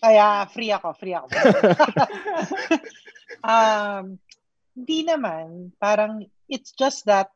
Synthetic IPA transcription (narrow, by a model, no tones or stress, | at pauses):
kɐjafɾiɐko̞fɾiɐko | ʔɐm | hɪnd̪inɐmanpaːɾɐŋ | ʔɪt̪sd͡ʒɐst̪̚ðɐt̪̚